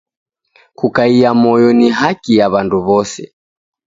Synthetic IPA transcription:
kukaiamɔjɔniɦakijaβanduβɔsɛ̰

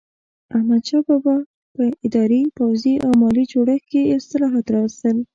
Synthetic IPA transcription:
ahmad̪ʃɑbɑbɑ | pəɪd̪ɑɾipawziʔawmɑlid͡ʒoɽəxkeɪst̪ɪlɑɦɑt̪ɾɑwəst̪əl

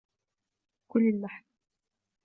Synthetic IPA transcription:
kʊlːɪlːaħn

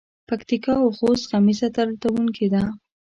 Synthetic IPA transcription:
pakt̪ikɑawxost̪qamizat̪aɾlt̪awuŋkʰid̪a

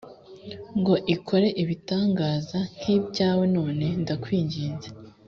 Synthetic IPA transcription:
ŋɡo̞ʔikʰo̞ɾe̞ʔiβitaːŋɡaːzan̥hibɟaːwe̞no̞ːne̞ndakwiːɲɟiːnze

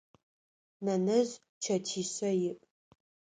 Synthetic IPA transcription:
nɐnɨz | t͡ʃʰɐtʰiːɕɐjɪpʼ

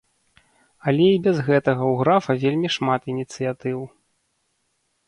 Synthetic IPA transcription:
ɐlʲɛibʲɛzɣɛt̪ɐɣɐwɣɾafɐvʲelʲmʲiʂmat̪inʲit̪sɨjat̪ɨw

